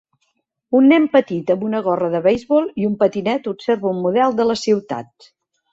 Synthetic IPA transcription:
unːɛmpət̪it̪əmbunəɣɔrəðəβəjzβɔlˠiumpət̪inɛt̪upseɾβəumːuðɛlˠd̪ələsiwt̪a̰t̪̚

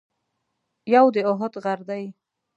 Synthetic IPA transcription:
jawd̪eoɦʊt̪ɣaɾd̪aj

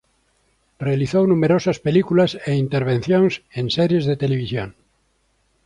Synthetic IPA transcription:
realiθownumeɾosaspelikulaseint̪eɾβ̞ẽnθjõŋsenseɾjezðet̪eleβ̞isjo̰ŋ

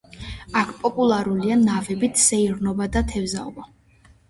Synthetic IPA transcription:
akʰpʼɔpʼulˠaɾulianavɛbit̪ʰsɛiɾnɔbad̪at̪ʰɛvzaɔba

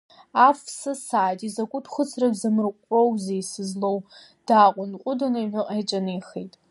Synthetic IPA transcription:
aːfsɐsaːtʼizɐkʷʼʊtʰχʷʊt͡sʰrɐbzɐmɨrqʷʼɔwzejsɨzlow | d̥aːqʷʼʊnqʷʼʊdɐnɐħʷʊqʼːt͡ʃʼɐnɨjxejtʼ

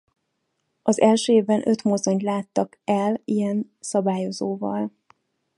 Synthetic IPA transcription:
ɒzɛlʃøːeːvbɛnʔø̞t̪mozo̞ɲt̪laːt̪ːɒkɛlijɛn | sɒbaːjo̞zoːvɒ̰l

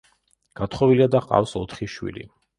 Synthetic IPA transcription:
ɡ̥at̪ʰχɔviliad̪aqʼa̰fsɔt̪ʰχiʃwḭlḭ

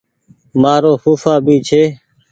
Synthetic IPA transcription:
maːɾoːxuːfaːbʱiːt͡ʃʰeː

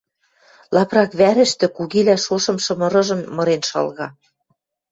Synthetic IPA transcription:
lɑprɑkβæɾɘ̆ʃt̪ɘ̆kuɣilæʃoʃɤ̆mʃɤ̆mɤ̆ɾɤ̆ʒɤ̆mːɤ̆ɾenʃɑ̰lɣɑ

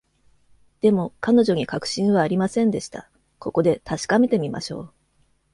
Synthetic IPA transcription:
d̪̥e̞mo̞kano̞ʑo̞ɲ̟ikakɯ̟̥ɕĩɰ̃β̞aːɾʲimasẽ̞nd̪e̞ɕi̥t̪a̰ | ko̞ko̞d̪e̞t̪ʰaɕi̥kame̞t̪e̞mʲima̰ɕo̞̰ː

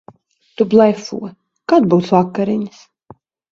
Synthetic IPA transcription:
t̪ublˠɛjfṵɔ | kad̪̚buwsvakːaɾiɲs

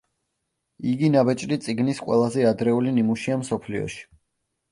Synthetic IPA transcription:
iɡinabɛt͡ʃʼɾit̪sʼiɡnisqʼwɛ̰lˠazɛad̪ɾɛulinimuʃiamsɔpʰliɔ̰ʃi̥

